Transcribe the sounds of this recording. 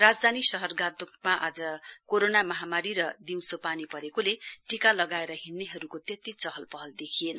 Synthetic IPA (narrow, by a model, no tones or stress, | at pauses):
rad͡zd̪ʱanisʌɦʌrɡad̪okmaʔad͡zʌkoɾonamʌɦamaɾiɾʌd̪iw̃sopanipʌɾekoleʈikalʌɡaeɾʌɦinːiɦʌɾukot̪et̪it͡sʌɦʌlpʌɦʌld̪ekʰienʌ